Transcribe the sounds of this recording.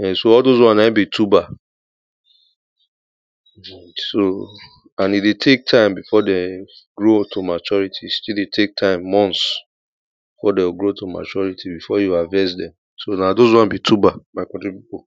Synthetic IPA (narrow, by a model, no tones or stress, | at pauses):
ɛsoɔldozwɔ̃nãbitʰuba | so | ãnidetʰek̚tʰãɪ̃mbifɔdɛ̃ɡɹotʰomat͡ʃɔɹitʰistidetʰek̚tʰãɪ̃mːɔ̃nts | bifɔdɛwɡɹotʰoma̰t͡ʃɔɹitʰibifɔjuavɛ̃s̬dɛ̃m | sonadozwɔ̃nbitʰubamaɪkɔ̃ntɹipipo